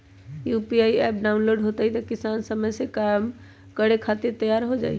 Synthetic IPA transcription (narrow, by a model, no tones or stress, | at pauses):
jupiaiɛp̚ɖaunloɖɦot̪ɛɦit̪ɔkisansəməjsekam | kəɾekʰat̪iɾt̪əjaɾɦod͡ʒa̰ːj